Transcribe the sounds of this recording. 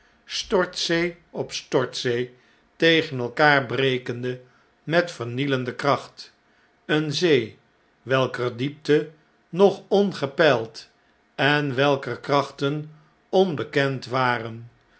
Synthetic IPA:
stɔɹtsej | ɔpstɔɹtsej | tejχənɛlˠkaːɹbrejkəndə | mɛtfəɹniləndəkrɑχt | ənzej | ʋɛlˠkərdip̚tə | nɔχɔnχəpɛlˠt | ɛnʋɛlˠkərkrɑχtən | ɔnbəkɛntʋaːrən

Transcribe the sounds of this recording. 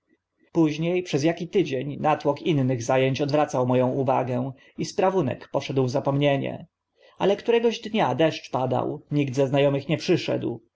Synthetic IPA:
puʑɲejpʂɛzjakʲit̪ɘd͡ʑeɲnat̪wɔkinːɘɣzajeɲt͡ɕɔd̪vɾat̪sawmɔjɔ̃w̃uva̰ɡɛ̃ | ispɾavunɛ̰kpɔʂɛd̪wvzapɔmɲeɲɛ̰ | ʔalɛkt̪uɾɛɡɔʑd̪ɲad̪ɛʂt͡ʂpad̪a̰wɲiɡ̚d̪zɛznajɔmɘxɲɛpʂɘʂɛ̰d̪w

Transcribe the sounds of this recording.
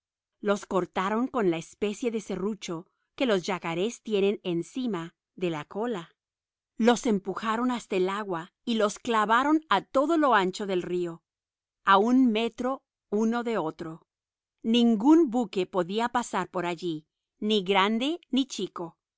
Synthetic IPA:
lo̞sko̞ɾt̪aɾo̞ŋko̞nlaespe̞sje̞ðese̞rut͡ʃo̞ | ke̞lo̞zʝakaɾe̞st̪je̞ne̞ne̞nsima | ðe̞lako̞la | lo̞se̞mpuxaɾo̞nast̪aelaɣwa | ilo̞sklaβaɾo̞nat̪o̞ðo̞lo̞ant͡ʃo̞ðe̞lrio̞ | aunme̞t̪ɾo̞ | uno̞ðe̞o̞t̪ɾo̞ | nĩŋɡunbuke̞po̞ðiapasaɾpo̞ɾaʝi | niɣɾand̪e̞nit͡ʃiko̞

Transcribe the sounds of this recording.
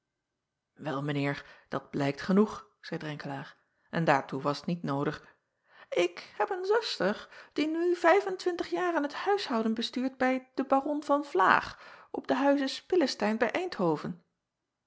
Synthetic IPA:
ʋɛlˠmənɪːɹd̥ɑd̚b̥lɛjktχənuχ | z̥ɛjdrɛŋkəlaːɹ | ʔɛndaːɹtuʋɑsətnitnowdəχ | ɪkhɛpənzɛstərd̥inyvɛjvəntʋɪntəχjaːraːnɦəthœɥshɑwdənbəstyːɹd̚bɛjd̥əbarɔnvɑnv̥la̰ːχɔb̚dəɦœɥzəspɪləstɛjnbɛjʔɛjnthowvən

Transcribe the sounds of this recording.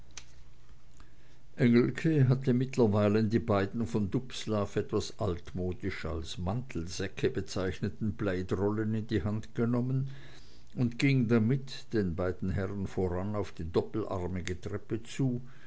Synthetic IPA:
ʔɛŋl̩kʰəɦatəmɪtlɐvaɪləndiːbaɪdn̩fɔndʊpslaːfʔɛtv̥asʔaltmoːdɪʃalsmantʰl̩zɛkʰəbət͡saɪçnətn̩blaɪdʁɔlənɪndiːhantɡ̥ənɔmən | ʊntɡ̥ɪŋdamɪt | d̥eːnbaɪdn̩ɦɛʁənfoːʁanaʊfd̥iːdɔpl̩ʔa̰ʁmɪɡətʁ̥ɛpət͡suː

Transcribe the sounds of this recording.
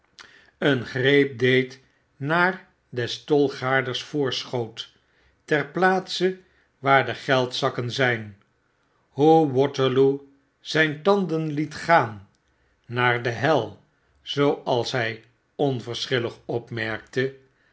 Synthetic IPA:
ənχrejp̚dejt | naːr | dɛstɔlˠχaːɹdəɹsfʊːɹsχowt | tɛrplaːtsə | ʋaːɹdəχɛlˠtsɑkənzɛjn | ɦuwɔtəɹlu | z̥ɛjntɑndənlitχaːnː | aːɹdəɦɛlˠ | z̥owɑlˠsɦɛj | ɔnvəɹsχɪləχɔpmɛɹk̚tə

